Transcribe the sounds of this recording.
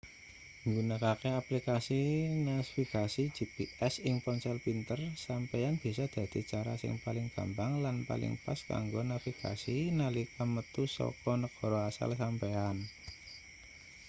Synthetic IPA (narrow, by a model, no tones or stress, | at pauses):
ŋɡunəkakeaplikasinasfikasi̥d͡ʒ̥ipiʔɛsɪŋpɔnsɔlpint̪ərsampɛanb̥i̤sɔd̪̥ä̤d̪̥i̤t͡ʃaɾa̰sɪ̰ŋpalɪŋɡ̥a̤mbaŋlanpa̰lɪ̰ŋpaska̰ŋɡonafika̰sinalikamət̪usɔ̰kɔnəɡ̥ɔ̤ɾɔasa̰lsampean